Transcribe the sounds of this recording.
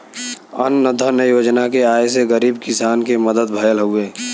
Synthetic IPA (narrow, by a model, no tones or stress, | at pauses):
ə̰nːəd̪ʱənəjoːd͡ʒnakeaːjseɡəɾiːbkɪsaːnkeməd̪əd̪̚bʱəjəlɦoeː